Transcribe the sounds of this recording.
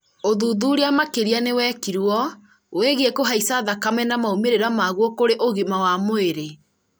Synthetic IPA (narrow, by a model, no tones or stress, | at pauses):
oðuðuɾeamakeɾianewɛːkiɾwɔ | weɣeekoɦaisaðakamɛnamaomeɾeɾamaɣwɔkoɾeʔoɣemawamoeɾe